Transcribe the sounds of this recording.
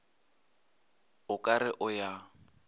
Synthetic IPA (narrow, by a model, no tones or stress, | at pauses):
ʊkʼaɾɪʔʊja